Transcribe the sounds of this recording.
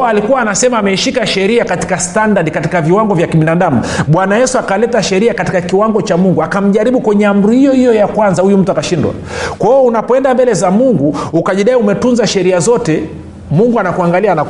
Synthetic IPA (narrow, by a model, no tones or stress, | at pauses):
alikuwaːnasɛmaːmɛiʃikaʃɛɾiakati̥kastandaɗikatikaviwaŋɡɔvjakiɓinaɗamuɓwanajɛsuakalɛtaʃɛɾiakati̥kakiwaŋɡɔt͡ʃamuŋɡuakam̩ʄaɾiɓukwɛɲɛam̩ɾihijɔhijɔjakwanzahujum̩tuakaʃindwa̰ | kwaɔunapɔɛndambɛlɛzamuŋɡuukaʄiɗaiumɛtunzaʃɛɾiazɔtɛ | muŋɡuanakuaŋɡaliana